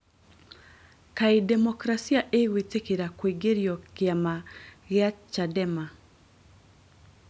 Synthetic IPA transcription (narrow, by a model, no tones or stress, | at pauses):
kaidɛmɔkɾasiaʔeɣwetekeɾakweɡeɾjɔkɪamaɣɪat͡ʃadɛma